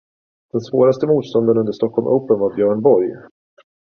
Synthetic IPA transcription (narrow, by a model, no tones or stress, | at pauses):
d̪̥ɛnsvoːɾast̪əmuːt̪st̪ɔnd̪ənɵnd̪əʂt̪ɔkʰːɔlmʔə̰ːpənvaɾbjœːɳbɔɾj